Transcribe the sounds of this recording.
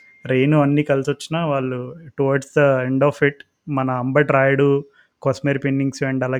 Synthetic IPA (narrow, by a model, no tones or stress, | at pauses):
ɾe̞ːnuɐnːiːkɐlusot͡ʃːinaʋaːɭːuʈuʋaːɾɖsd̪ɐeɳɖaːfiʈ | mɐnɐːmbɐʈɾaːjɽu | kosmeːɾpenːiŋɡsueɳɖɐlaː